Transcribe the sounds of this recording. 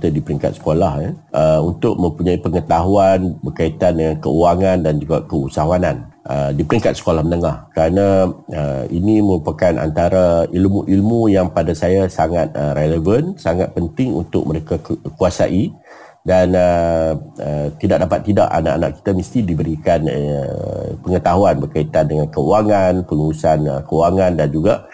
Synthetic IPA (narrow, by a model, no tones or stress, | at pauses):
t̪adipəɾiŋka̰t̪̚sə̥kolahəʔəunt̪ʊʔ̚mə̃mpuɲaipəŋət̪aɦuanbərkait̪andəŋankəuaŋandand͡ʒuɡakəusaɦuanan | ʔədipəɾiŋkat̪sə̥kolahmənəŋahkəɾanaəiniməɾupakanʔa̰nt̪aɾailmuʔilmujaŋpadasajasaŋat̪̚əɾeləvənsaŋat̪̚pənt̪ɪŋṵnt̪ʊ̰k̚məɾekakuasa̰ʔi | danə | ət̪idaʔ̚dapat̪ːida̰ʔa̰na̰ʔana̰ʔki̥t̪amist̪idibəɾikan̰ | pəŋət̪aɦuanbərkait̪andəŋankəuaŋanpəluɾusanəkəuaŋandand͡ʒuɡa